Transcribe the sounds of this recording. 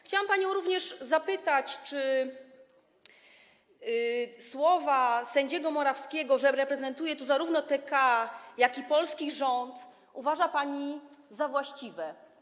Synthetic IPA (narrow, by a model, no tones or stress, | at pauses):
xt͡ɕawampaɲɔ̃w̃ɾuvɲɛʂzapɘt̪at͡ɕt͡ʂɘ | swɔvasɛɲd͡ʑɛɡɔmɔɾafskʲɛɡɔʐɛɾɛpɾɛzɛnt̪ujɛt̪uzaɾuvnɔt̪ɛkajakʲipɔlskʲiʐɔnt̪ | uvaʐapaɲizavwaɕt͡ɕivɛ